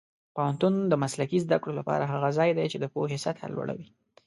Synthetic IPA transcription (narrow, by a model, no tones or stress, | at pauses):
pawant̪und̪əmaslakizd̪akɽolapɑ̰ɾaɦaɣazɑjd̪ajt͡ʃed̪əpoɦesat̪ha̰lwa̰ɽa̰wi